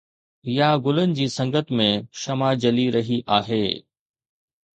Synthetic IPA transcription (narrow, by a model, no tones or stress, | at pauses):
jaɡʊlənɪ̆d͡ʑiːsɐ̃ŋɡət̪mẽʃɐmad͡ʑɐliɾɐɦiʔaːɦeː